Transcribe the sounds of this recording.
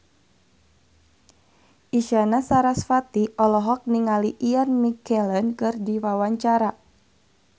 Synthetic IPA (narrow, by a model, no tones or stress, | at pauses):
ʔiʃanasaɾasfat̪iʔɔlɔɦɔk̚niŋaliʔianmikɛlənkɨrdiwawaɲt͡ʃaɾa